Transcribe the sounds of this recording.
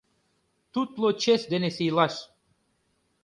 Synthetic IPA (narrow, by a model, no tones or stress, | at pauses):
t̪ut̪lˠot͡ʃesd̪enesijlˠɑʃ